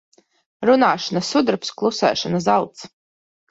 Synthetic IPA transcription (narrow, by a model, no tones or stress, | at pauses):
ɾunaːʃanasud̪ɾpsklˠusɛ̰ːʃanazalˠt̪s